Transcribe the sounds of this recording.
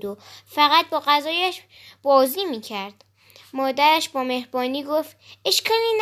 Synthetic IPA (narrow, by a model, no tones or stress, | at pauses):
d̪ofæɣæt̪̚bɒːɣæzɒːjæʃ | b̥ɒːziːmiːcʰæɾd̪̥ | mɒːd̪æɾæʃbɒːme̞hɾbɒːniːɡoft̪ʔe̞ʃkʰɒːliːn